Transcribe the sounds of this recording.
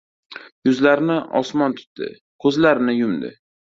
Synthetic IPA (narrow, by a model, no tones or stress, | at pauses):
jʊzlaɾɪnɪʔɒsmɒnt̪ʰʊ̥t̪d̪ɪ̰ | kʰɵzlaɾɪnɪjʊmd̪ɪ̰